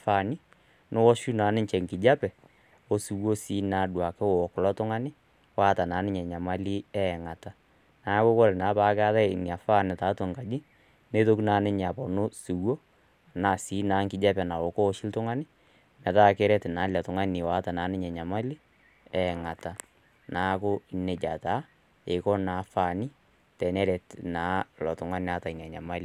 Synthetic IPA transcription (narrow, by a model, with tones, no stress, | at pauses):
fa˦˨nɪ˦ | nʊ˦wɔ˦ʃu˦na˨˦nɪ˦ɲt͡ʃɛ˨ŋkɪ˨d͡ʒa˦pɛ˨ | o˨su˨wo˦si˨˦na˨˦ɗwa˨ke˦wɔ˨kʊ˨lɔ˦tʊ˦ŋa˦nɪ˦ | waː˦ta˨na˨˦nɪ˦ɲɛ˨ɲa˨ma˦li˦ɛ˦˨ŋa˨ta˨˦ | na˨˦ko˦ko˦ɾɛ˨na˨˦pa˦ka˦ða˦˨nja˨fa˦˨nɪ˨ta˨˦tɔ˨ŋka˨d͡ʒɪ˦ | ne˦to˦ku˦na˨nɪ˦ɲ˨a˨pɔ˨no˦su˨wo˦˨ | na˨si˨˦naː˨˦ŋkɪ˨d͡ʒa˦pɛ˨na˨wɔ˨kɔ˦ʃɪ˦ltʊ˦ŋa˦nɪ˦ | mɛ˨ta˦˨kɛ˦ɾɛ˦tɪ˨na˨˦la˨tʊ˨ŋa˦ni˨wa˨˦ta˨naː˨˦nɪ˦ɲɛ˨ɲa˨ma˦li˦ | ɛ˦˨ŋa˨ta˨ | na˨˦kʊ˦i˨ne˨d͡ʒa˨ta˦ | e˨kɔ˦na˨˦fa˨nɪ˦ | tɛ˨nɛ˦ɾɛ˨tna˨˦lɔ˨tʊ˨ŋa˦n˨a˦ta˨i˨na˨ɲa˨ma˦li˦